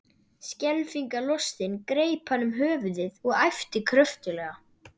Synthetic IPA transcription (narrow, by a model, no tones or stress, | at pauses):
scɛlfiŋkalɔst̪ɪnkɾeːjphanːʏmɦœːvʏðɪðɔɣajft̪ɪkʰɾœft̪ʏlɛːɣa